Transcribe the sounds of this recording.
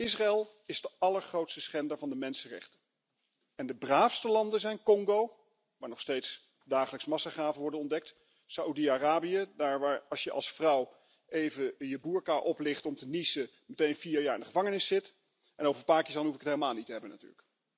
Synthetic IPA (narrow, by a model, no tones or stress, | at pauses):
ɪsraɛlˠ | ɪzdəɑləɹχrowtstəsχɛndəɹvɑndəmɛnsərɛ̰χtə | ɛndəbraːfstəlɑndənzɛjnkɔŋɡow | ʋaːɹnɔχstejts | daːχələksəmɑsaχaːvənʋɔɹdənɔndɛk̚t | saʔudiaraːbijədaːɹʋaːɹɑsjəʔɑ̰lˠsfrʌw | ʔejvəjəbuːɹkaʔɔplɪχtɔmtənisə | mətejnfiːɹjaːɹɪndəχəvɑŋənɪsɪt | ʔɛnowvəɹpaːɹkɪsɑnɦufɪkətɦeləmaːlˠnitəɦɛbənaty̰ːɹlək